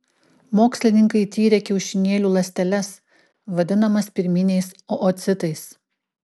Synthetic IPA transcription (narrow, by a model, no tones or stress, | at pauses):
moːksʲlʲɪnʲɪŋkɐɪt̪ʲiːɾʲeɛkʲɛʊʃʲɪnʲeːlʲuːlˠɐsʲt̪ʲɛlʲɛs | ʋɐd̪ʲɪnɐmɐspʲɪɾʲmʲɪnʲɛɪsoʔot̪sʲɪt̪ɐɪs